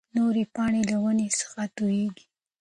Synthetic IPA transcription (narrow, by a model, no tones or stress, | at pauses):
noɾepɑɳelawənesə̥xat̪ujeɡi̥